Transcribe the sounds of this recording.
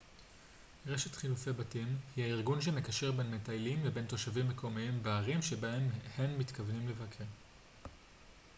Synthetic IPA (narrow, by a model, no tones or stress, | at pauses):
ʁeʃetχilufebatimhihaiʁɡunʃ̬eme̞kaʃe̞ʁbe̞nmetajlimlebe̞nto̞ʃavimːe̞kʰo̞miimveaʁimʃebaemhe̞mːit̪kavnimle̞vakʰeʁ